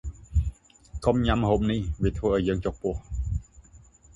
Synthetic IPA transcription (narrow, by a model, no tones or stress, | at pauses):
kʰɔmɲamhomniːwit̪ʰwɤːʔaːwjəəŋt͡ɕok̚puə